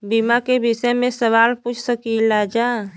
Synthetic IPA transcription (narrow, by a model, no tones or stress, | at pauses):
bimakebisəmẽsəʋaːlput͡ʃʰsəkilad͡ʒaː